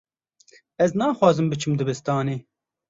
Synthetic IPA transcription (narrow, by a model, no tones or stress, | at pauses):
ɛznɑːxwɑːzɨmbɨt͡ʃʰɨmd̪ɨbɨst̪ɑːneː